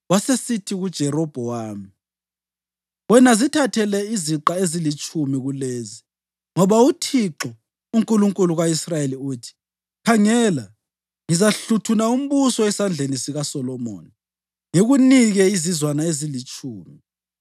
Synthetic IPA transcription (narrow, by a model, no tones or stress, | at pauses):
wasesitʰiɣud̥ʒ̥ʱɛɾɔb̥ʱɔwaːmi | wɛnazitʰatʰɛlɛiziǁaezilit͡ʃʼumiɣuleːzi | ŋɔβautʰiǁɔ | uŋkʼuluŋkʼuluɣaisrajeliuːtʰi̥ | kʰaŋɛːla | ŋizaɬutʰunaum̩βusɔwɛsand͡ɮʱenisiɣasɔlɔmo̰ːni | ŋeɣuniɣɛizizwanaezilit͡ʃʼuːmi